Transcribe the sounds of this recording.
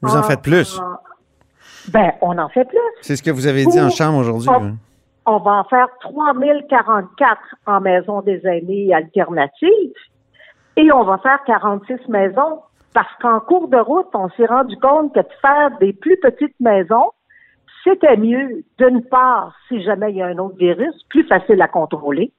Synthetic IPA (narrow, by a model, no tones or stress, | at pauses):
vuzɑ̃fɛt̪̚plys | bɛ̃ɔ̃nɑ̃fɛplyssesə̥kəvuzaved͡ziɑ̃ʃɑ̃bʁoʒʊʁd̪ɥ̃ | ɔ̃vaɑ̃fɛːʁt̪χwamilkʲaʁɑ̃t̪̚kʲat̪χɑ̃mɛːzɔ̃d̪ezanealt̪ɛʁnat̪iːv | eɔ̃vafɛːʁkaʁɑ̃t̪sɪsmɛːzɔ̃ | paʁsə̥kɑ̃kuːʁd̪əʁʊt̪ɔ̃sjeʁɑ̃dd͡zykɔ̃t̪̚kəd̪əfɛːʁd̪eplypət̪it̪̚mɛːzɔ̃ | set̪ɛmjød̪ynpaːʁsiʒamɛijaɛ̃not̪χviʁysplyfasɪlakɔ̃t̪χole